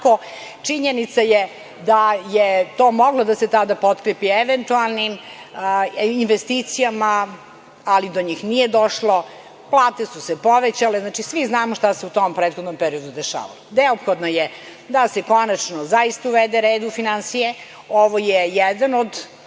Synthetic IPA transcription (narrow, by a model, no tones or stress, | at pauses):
ko | t͡ʂiɲenit̪saje | d̪ajet̪oːmo̞ɡlod̪aset̪ad̪apo̞t̪kɾepieʋent̪ualˠnim | inʋest̪iːt̪sijamaː | lid̪oɲiːxnijed̪oʃlo̞ | plˠaːt̪esusepo̞ʋet͡ɕaleznaːt͡ʃisʋiznaːmoʃt̪aseut̪ompɾet̪xo̞d̪nompeɾio̞d̪ud̪eʃa̰ːʋa̰loneopxod̪noje | d̪aseko̞nat͡ʃnozajist̪auʋed̪eɾeːd̪ufinansije | oʋojejɛd̪anod̪